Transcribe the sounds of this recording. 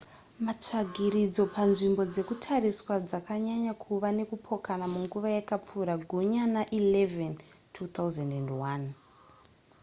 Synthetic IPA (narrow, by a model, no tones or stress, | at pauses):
mat͡ʂaɡʱiɾid͡zo̞pʰanʐimbo̞d͡ze̞kutʰariswad͡zakaɲaɲakʰuʋane̞kupʰo̞kanamuŋɡuʋajakap͡fuɾaɡʱuɲanaʔileventʰut̪auzandendwan